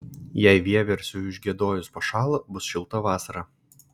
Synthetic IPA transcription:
jɛɪʋʲiɛʋʲɛɾʲsʲʊʊʒʲɡʲiɛd̪oːjʊspoʃɑːlˠobʊsʃʲɪlˠt̪ɐʋɑːsɐɾɑ

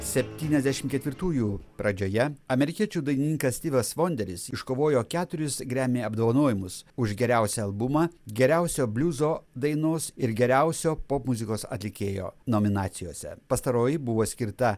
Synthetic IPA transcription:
sʲɛpʲt̪ʲiːnʲɛzʲd̪ʲæʃʲɪmkʲɛt̪ʲʋʲɪɾt̪uːjuːpɾɐd͡ʒʲoːjɛɐmʲɛɾʲɪkʲiɛt͡ʃʲuːd̪ɐɪnʲɪnʲɪːŋkɐsʲt̪ʲiːʋʲɐsʋoːnʲd̪ʲɛɾʲɪsɪʃkoːʋoːjoːkʲæːt̪ʊɾʲɪsɡɾʲæːmʲeːɐbd̪oːʋɐnoːjɪmʊsʊʒɡʲɛɾʲæˑʊsʲɛɐlˠbʊmɑːɡʲɛɾʲæˑʊsʲoːbʲlʲuːzoːd̪ɐɪnoːsɪɾɡʲɛɾʲæˑʊsʲoːpoːpmʊzʲɪkoːsɐ̰t̪ʲlʲɪkʲeːjo̰ːnoːmʲɪnɑːt̪sʲɪjo̰ːsʲɛ̰pɐst̪ɐɾoːjɪbʊʋoːsʲkʲɪɾt̪ɐ

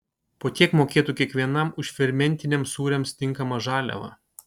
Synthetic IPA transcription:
poːt̪ʲiɛkmoːkʲeːt̪ukʲiɛkʋʲiɛnɐmʊʃʲfʲɪɾʲmʲɛnʲt̪ʲɪnʲɛmsuːɾʲɛmst̪ʲɪŋˑkɐmɐʒɑːlʲɛ̰ʋɐ̰

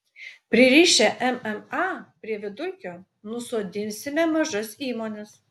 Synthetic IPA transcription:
pʲɾʲɪɾʲiːʃʲɛʔɛmɛmɑːpʲɾʲiɛʋʲɪd̪ʊkʲoː | nʊsoːd̪ʲɪnʲsʲɪmʲɛmɐʒɐsiːmoːnʲɛs

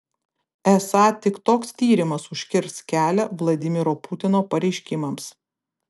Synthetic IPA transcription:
ɛsɑːt̪ʲɪkt̪oːkst̪ʲiːɾʲɪmɐsʊʃʲkʲɪɾskʲæːlʲɛʋlˠɐd̪ʲɪmʲɪɾoːpʊt̪ʲɪnoːpɐɾʲɛɪʃʲkʲɪmɐms

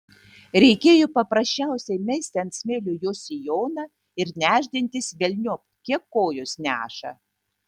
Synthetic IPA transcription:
ɾʲɛɪkʲeːjopɐpɾɐsʲt͡ʃʲæˑʊsʲɛɪmʲɛɪsʲt̪ʲɪɐnt̪ʲsʲmʲeːlʲʊjoːsʲɪjoːnɑ | ɪɾnʲæːʒʲd̪ʲɪnʲt̪ʲɪsʋʲɛlʲnʲupkʲiɛkːoːjosnʲæːʃɐ̰

